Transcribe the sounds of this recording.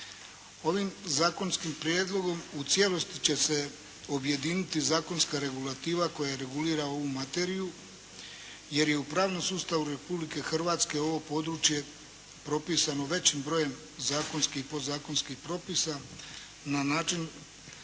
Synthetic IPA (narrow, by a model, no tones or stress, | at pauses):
o̞ʋimzaːko̞nskimpɾje̞ːd̪lˠo̞ɡo̞mut̪sjelo̞st̪i̥t͡ɕe̞se̞ | o̞bje̞d̪iːnit̪izaːko̞nskaɾe̞ɡulat̪iːʋako̞jaeɾe̞ɡuliːɾao̞ʋumat̪e̞ɾiju | je̞ɾje̞upɾaːʋnomsuːst̪aʋuɾe̞publike̞xr̩ʋaːt̪ske̞o̞ʋo̞po̞d̪ɾut͡ʃje̞ | pɾo̞piːsano̞ʋe̞t͡ɕimbɾo̞je̞m | zaːko̞nskiipo̞zaːko̞nskixpɾo̞pisa | nanaːt͡ʃin